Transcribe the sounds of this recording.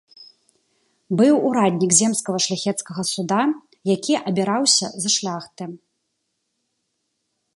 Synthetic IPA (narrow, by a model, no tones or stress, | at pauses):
bɨwuɾad̪ʲnʲikzʲɛmskɐɣɐʂlʲaxʲɛt̪skɐɣɐsud̪a | jakʲʰiʔɐbʲiɾawsʲɐ̰zɐʂlʲaxt̪ɨ